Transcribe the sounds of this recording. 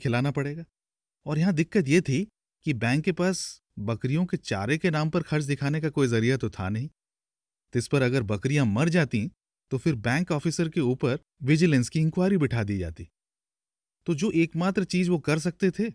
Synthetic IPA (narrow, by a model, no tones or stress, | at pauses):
kʰɪlaːnapɐɽeːɡaː | ɔːɾjɐɦãd̪ɪkːət̪jet̪ʰi | kibɛ̃ːŋkːepaːs | bɐkɾijõket͡ʃa̰ːɾekenaːmpɐɾxɐɾt͡ʃʰd̪ɪkʰaːnekakoːizɐɾijat̪ot̪ʰa̰nɐɦĩː | t̪ɪspɐɾɐɡəɾbɐkɾijãmɐɾd͡ʒaːt̪ĩ | t̪ofɪɾbɛ̃ːŋkɔːfɪsəɾkeuːpəɾ | ʋɪd͡ʒɪlɛ̃nskiɪ̃ŋkwaːjɾibɪʈʰaːd̪id͡ʒa̰ːt̪ḭ | t̪od͡ʒoːʔeːkmaːt̪ɾt͡ʃiːzʋokɐɾs̬ɐk̚t̪et̪ʰeː